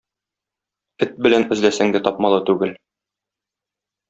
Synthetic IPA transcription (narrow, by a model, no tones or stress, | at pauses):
ɘt̪̚bɘ̆lænɘ̆zlæsæŋd̪ɘt̪ɒpmɑlˠɤt̪ʉɡɘl